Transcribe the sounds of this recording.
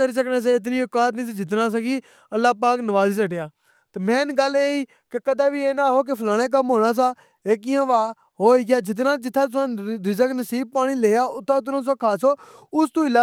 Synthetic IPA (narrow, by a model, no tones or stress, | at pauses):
əɾiːs̬əkneːs̬ãːɪt̪̬niːʊkaːt̪nĩːsːd͡ʒɪt̪̬nãːs̬ãːɡiː | əlːaːp̬aːknəʋaːziːsəʈjaː | t̪emɛ̃ːnɡəleːiː | kekəd̪aːbiːeːnaːɦoːk̬epʰlaːɽ̃ẽːk̬əmɦoːɽ̃aːs̬aː | eːk̬ɪjãːʋaː | ɦoːiːɡɪjaːd͡ʒɪt̪̬nãːd͡ʒɪt̪ʰːãːsãːɾɪzəknəsiːb̚paːɽ̃iːleːjaːʊt̪ʰːãːʊt̪̬nãːs̬ãːkʰaːsoː | ʊst̪ũːɪlaː